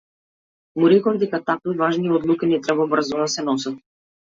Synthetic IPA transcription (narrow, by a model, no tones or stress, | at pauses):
muɾɛkɔvd̪ɛkat̪akvivaʒniɔd̪lˠukinɛt̪ɾɛbabr̩zɔd̪asɛnɔsat̪̚